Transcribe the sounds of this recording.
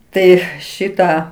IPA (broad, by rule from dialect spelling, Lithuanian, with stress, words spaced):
ˈtɐɪ ˈʃʲɪtɑː